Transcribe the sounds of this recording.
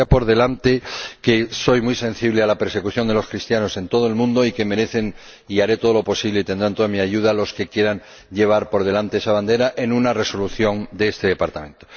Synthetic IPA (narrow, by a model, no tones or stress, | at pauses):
apo̞ɾðe̞lant̪ekeso̞jmujsẽ̞nθiβlealape̞ɾse̞kuθjo̞nd̪e̞lo̞skɾist̪jano̞se̞nt̪o̞ð̞oe̞lmũnd̪o̞ike̞me̞ɾe̞θe̞n | iaɾe̞t̪o̞ð̞olo̞po̞siβle̞it̪end̪ɾant̪o̞amiaʝuð̞alo̞ske̞kje̞ɾaŋ | ʎe̞β̞aɾpo̞ɾð̞e̞lant̪eesaβ̞and̪e̞ɾaʔe̞nũnare̞so̞luθjo̞ŋd̪eest̪eðe̞paɾt̪amẽ̞nt̪o